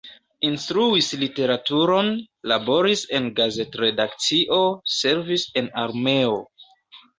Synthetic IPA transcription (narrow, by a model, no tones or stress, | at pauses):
instɾuislite̞ɾatuɾo̞n | labo̞ɾise̞nɡaze̞tɾe̞dakt͡siʔo̞se̞ɾvise̞naɾme̞o